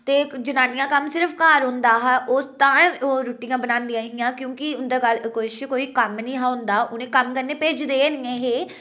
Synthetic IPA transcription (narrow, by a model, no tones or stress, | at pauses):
t̪eːd͡ʒʊnaːnijãːkəmsɪɾəfʰkaːɾɦʊ̃nd̪aːɦʔoːt̪aoːɾuːʈiːãːbənãːnd̪ĩjãːɦijãːkjõːkɪʊnd̪eːkəlkoʃʃkːkoːiːkəmnĩːɦaːɦʊ̃nd̪aːʊnẽːkəmkəɾneːpeːd͡ʒd̪eːnɪẽːɦeː